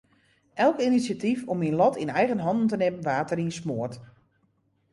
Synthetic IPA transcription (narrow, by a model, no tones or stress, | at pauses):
ʔɛlˠkinisjatifɔminlɔtʰinɛjɣənɦɔndn̩tənɪmənʋaːtərinsmoərt